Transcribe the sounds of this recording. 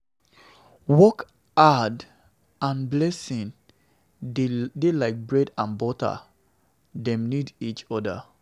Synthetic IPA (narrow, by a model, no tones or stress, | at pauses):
wɔk | ad | ãnblɛsĩn | delaɪk̚bɹɛdãnbɔta̰ | dɛ̃mnidit͡ʃɔda̰